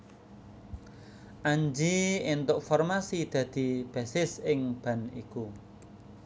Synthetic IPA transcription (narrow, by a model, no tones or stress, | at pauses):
ʔaɲd͡ʒiɪnt̪ʊʔfɔrmasid̪̥ä̤d̪̥i̤b̥a̤sɪsɪŋb̥a̤nḭku